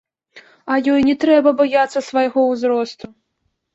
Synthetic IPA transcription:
ɐjɔjnʲɛt̪ɾɛbɐbajat̪sːɐsvɐjɣɔwzɾɔst̪u

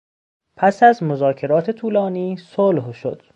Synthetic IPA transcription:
pʰæsæzmozɒːcʰe̞ɾɒːt̪ʰe̞t̪ʰuːlɒːniːsolhʃo̰d̪̥

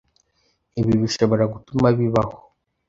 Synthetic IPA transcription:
iβiβiʃoβoɾaɡutumaβiβaho

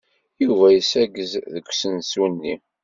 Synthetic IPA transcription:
juvæjəsæɡəzðəkʷːsənsunːḭ

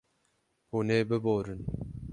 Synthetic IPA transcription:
huːneːbɨboːɾɨn

